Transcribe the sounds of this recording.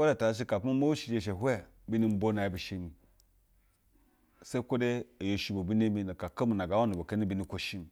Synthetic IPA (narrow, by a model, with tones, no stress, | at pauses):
ko˦de˦˨ta˨˦ʃ̬i˦ka˨pma˦mo˦wu˦ʃi˨d͡ʒe˨ʃe˨ɦʷwe˦ | bi˦ni˦m̩˦bo˦na˨bi˨ʃi˦ni˨ | se˦i˦kʷo˦de˦a˨jo˨ʃi˨bo˨bi˦n˦e˦mi˦na˨ka˨ka˦mu˨na˨ɡa˨˦wa˦ni˨bo˨ke˦ni˦bi˨ni˨ko˨ʃi˦n˨